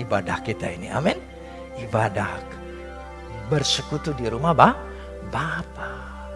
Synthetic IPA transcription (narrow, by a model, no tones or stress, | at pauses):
ibadahkit̪a̰inḭʔa̰mɛn | ibadahk | bərsəkut̪udiɾumaba | bapa